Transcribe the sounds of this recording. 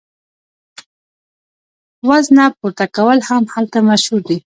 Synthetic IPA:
waznapuɾt̪akawəlhamhalt̪amaʃhuɾd̪i

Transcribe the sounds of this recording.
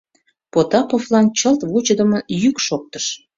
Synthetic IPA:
pot̪ɑpoflɑnt͡ɕəlt̪βut͡ɕəd̪əməjykʃok̚t̪əʃ

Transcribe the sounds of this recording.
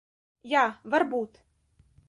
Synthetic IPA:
javɐrbut̪

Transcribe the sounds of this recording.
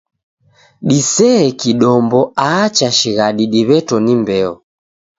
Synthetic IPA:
ɗisɛːkiɗɔmbɔaːt͡ʃaʃiɣaɗiɗiβɛtɔnimbɛɔ

